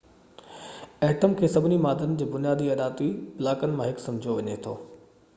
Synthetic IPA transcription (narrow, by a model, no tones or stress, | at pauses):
ɛːʈəmkʰeːsɐbʱɪnimaːd̪ənɪ̆d͡ʑeːbʊnijaːd̪iɐɗaːt̪uiplaːkənɪ̆mãɦɪksɐ̃md͡ʑʱijoʋɐɲet̪ʰoː